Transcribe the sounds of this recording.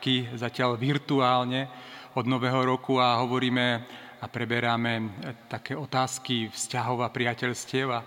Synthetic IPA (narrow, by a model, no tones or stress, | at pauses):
kizacɪaʎʋiɾt̪uaːlɲɛɔd̪nɔʋɛːɦɔɾɔkuaɦɔʋɔɾiːmɛapɾɛbɛɾamɛt̪akɛːɔt̪aːskifscaɦɔʊapɾɪacɛʎscɪɛʊa